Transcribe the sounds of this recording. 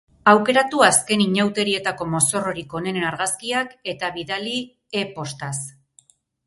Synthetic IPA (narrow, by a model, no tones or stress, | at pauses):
awke̞ɾat̪uaske̞niɲawt̪e̞ɾie̞t̪ako̞mo̞so̞ro̞ɾiko̞ne̞nnaɾɣaskiake̞t̪aβiðali | epo̞st̪as